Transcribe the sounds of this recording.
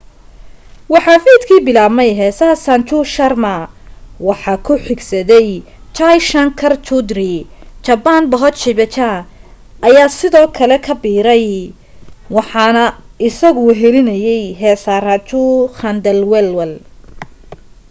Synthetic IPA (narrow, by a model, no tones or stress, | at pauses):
wɑħɑːfiːd̪kʰiːbɪlaːbmɛjɦɛːsɐsant͡ʃʊʃɐrmɐ | wɑħɑːkʰʊħɪɡsɐðɛj | t͡ʃʰajʃɐnkʰɐrt͡ʃʰʊd̪rit͡ʃɐbanbɔɦɔt̪t͡ʃɪβɛt͡ʃʰa | ʔɐjaːsɪðɔːkʰɐlɛkʰɐbiːɾɛj | wɑħɑnɐɪsɐɣʊɦɛlɪnɐjɛjɦɛːsarɐt͡ʃʊxɐnd̪ɛlwɛlwɛl